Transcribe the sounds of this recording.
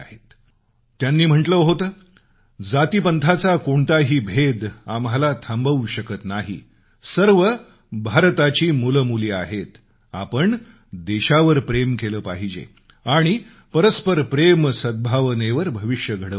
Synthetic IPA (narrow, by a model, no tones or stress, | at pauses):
aɦet̪ | t̪janːiːm̤əʈləɦot̪əː | d͡zat̪ipənt̪ʰat͡sakoɳt̪aɦiːbʱed̪amɦalat̪ʰambəuɕəkət̪naɦḭ | səɾʋə | bʱaɾt̪at͡ɕiːmulmuliːaɦet̪ | a̰pəɳ | d̪eɕaʋəɾpɾemkeləːpaɦid͡ʑḛ | aɽ̃i | pəɾəspəɾpɾemsəd̪̚bʱaʋneʋəɾbʱəʋiɕjəɡʱəɽə